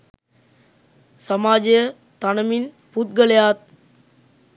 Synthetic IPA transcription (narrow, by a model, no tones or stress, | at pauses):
sɐmaːd͡ʒə | t̪anɐmin | put̪̚ɡəlɐjaːt̪̚